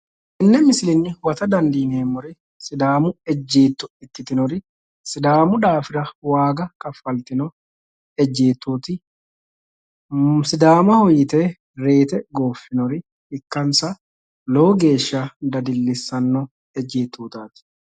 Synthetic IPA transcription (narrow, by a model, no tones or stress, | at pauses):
ʔɪnːɛmɪsɪlɪnːɪwɐt̪ɐd̪ɐnd̪iːneːmʊɾɪ | sɪd̪aːmʊɛd͡ʒːeːt̪ːʊɪt̪ːɪt̪ɪnɔɾɪ | sɪd̪aːmʊᶑaːfɪɾɐwaːɡɐkɐfɐlt̪ɪnɔ | ɛd͡ʒːeːt̪ːuːt̪ɪ | sɪd̪aːmɐhɔjːɪt̪eː | ɾe̞ːt̪ɛɡoːfːɪnɔɾɪ | ɪkːɐnsɐ | loːɡe̞ːʃːaːd̪ɐd̪ɪlːɪsːɐnːɔ | ɛd͡ʒːeːt̪ːuːt̪aːt̪ɪ̥